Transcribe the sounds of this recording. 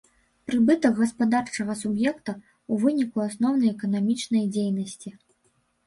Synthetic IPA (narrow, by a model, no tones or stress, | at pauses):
pɾɨbɨt̪ɐɣɣɐspad̪art͡ʂɐɣɐsubjɛkt̪ɐ | uvɨnʲikuasnɔwnɐjɛkɐnamʲit͡ʂn̪ɐjd͡zʲejnɐsʲt͡sʲi